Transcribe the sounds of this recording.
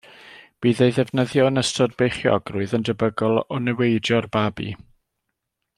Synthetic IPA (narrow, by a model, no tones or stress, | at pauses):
b̥iːðejðɛvnəðjɔənəstʰɔdbejχjɔ̰ɡrʊɨðəndəbəɡɔlˠɔnɛwejdjɔrbabḭ